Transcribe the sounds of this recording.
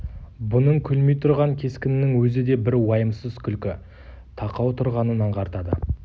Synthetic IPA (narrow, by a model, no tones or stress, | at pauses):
bʊnəɴkʲʰɵlmejt̪ʰʊɾʁɑŋkʲʰe̞skʲɪnɪnːɪŋwɵzɪd̪e̞bɪɾwɑjəmsəzkʲʰʏlkʲɪ | t̪ʰɑqɑwt̪ʰʊɾʁɑnənɑɴqʰɑɾt̪ɑd̪ə